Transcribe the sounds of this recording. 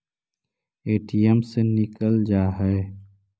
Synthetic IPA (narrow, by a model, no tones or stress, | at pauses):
eːʈijəmsenɪkəld͡ʒaːɦɛe